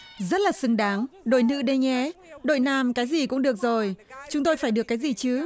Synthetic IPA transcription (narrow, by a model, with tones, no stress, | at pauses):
zə˦˥t̚laː˨˩sɨ˨˦ŋɗaː˨˦ŋɗo̰˧˨jnɨ̰˧˥ɗə˧jŋɛ˨˦ɗo̰˧˨jnaː˧˩mkaː˨˦jzi˨˩kʊ̰˧˥ŋ͡mɗɨ˨˩ək̚zo˨˩jt͡ɕʊ˨˦ŋ͡mt̪o˧jfaː˧˩jɗɨ˨˩əkːaː˨˦jzi˨˩t͡ɕɨ˨˦